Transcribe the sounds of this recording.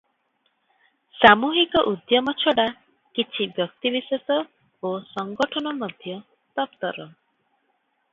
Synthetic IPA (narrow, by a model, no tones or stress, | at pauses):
samuɦikɔʔud̪jɔmɔt͡ʃʰɔɽa | kit͡ʃʰibjɔk̚t̪ibisesɔ | osɔŋɡɔʈʰɔnɔmɔd̪ʱjɔ | t̪ɔpt̪ɔɾɔ